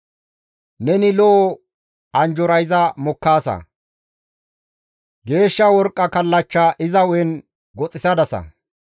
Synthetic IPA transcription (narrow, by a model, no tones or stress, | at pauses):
nɛnɪlɔɔ | ɐnd͡ʒɔɾɐjzɐmɔkːaːsɐ̰ | ɡe̞ːʃːɐwɔɾkʼːɐkɐlːɐt͡ʃːɐʔɪzɐwɔɛn | ɡɔt͡sʼːɪsɐd̪ɐsɐ̰